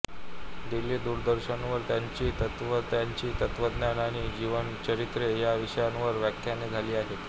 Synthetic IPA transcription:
d̪ilːiːd̪uɾd̪əɾɕənʋəɾt̪jaɲt͡ɕiːt̪ət̪ʋət̪jaɲt͡ɕiːt̪ət̪ʋəd̪njanaɽ̃iːd͡ʑiʋənt͡ɕəɾit̪ɾejaʋiʂəjanʋəɾʋjakʰjaneːd͡zʱaliːaɦet̪

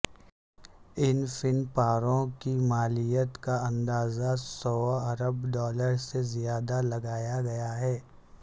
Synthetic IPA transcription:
ɪnfɪnpaːɾõkimaːlɪjət̪kaɐ̃nd̪aːzasɔːɐɾəbɖɔːləɾsezijaːd̪alɐɡaːjaɡɐjaɦɛː

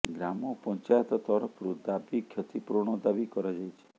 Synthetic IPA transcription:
ɡɾamopɔ̃ɲt͡ʃajt̪t̪ɔɾəpʰɾud̪abikʰjət̪ʰipɾoɽ̃od̪abikəɾad͡ʒajt͡ʃʰe̥

